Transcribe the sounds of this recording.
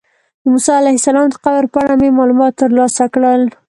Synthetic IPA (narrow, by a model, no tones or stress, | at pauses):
d̪əmusɑalahɪsalɑmd̪əqawɾpɑɽamemɑlumɑt̪ːəɾlɑsakɽəl